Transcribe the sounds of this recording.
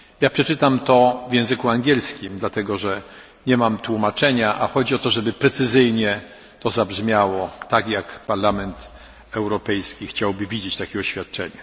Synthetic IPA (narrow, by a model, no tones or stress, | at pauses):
japʂɛt͡ʂɘt̪amt̪ɔvʲjɛ̃w̃zɘkuaŋɡʲjɛlskʲimd̪lat̪ɛɡɔʐɛ | ɲɛmamt̪wumat͡ʂɛɲaʔa̰xɔd͡ʑiɔt̪ɔʐɛbɘpɾɛt̪sɘzɘjɲɛ | t̪ɔzabʐmʲjawɔt̪akjakpaɾlamɛnt̪ | ɛwɾɔpɛjskʲixt͡ɕawbɘvʲid͡ʑet͡ɕt̪akʲɛɔɕfʲjat̪̚t͡ʂɛɲa